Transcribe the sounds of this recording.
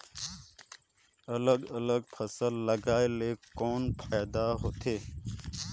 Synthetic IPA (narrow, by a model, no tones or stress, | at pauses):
ɐləɡɐləɡpʰəsəlːəɡaːeleːkoːnpʰaːjd̪aɦot̪ʰeː